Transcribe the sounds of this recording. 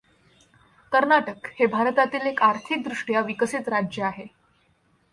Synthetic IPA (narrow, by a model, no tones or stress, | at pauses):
kəɾnaʈəkhebʱaɾət̪at̪iːlekaɾt̪ʰik̚d̪ɾuʂʈjaʋikəsit̪ɾad͡ʑjəaɦe